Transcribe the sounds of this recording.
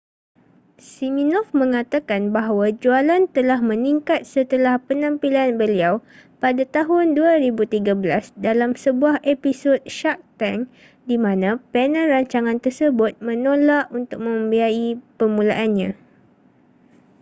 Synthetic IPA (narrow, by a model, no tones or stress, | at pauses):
siminɔfmə̃ŋat̪akanbaɦwad͡ʒualant̪əlahmə̃niŋkat̪̚sət̪əlahpənãmpilanbəliawpadat̪aɦʊnduaɾibut̪iɡabəlasdalamsəbuahepisot̪̚ʃak̚t̪aŋ | dimãnãpɛnanraɲt͡ʃaŋãnt̪ərsəbʊt̪̚mə̃nõlaʔunt̪ʊk̚mə̃mbiaipəmũlaʔanɲã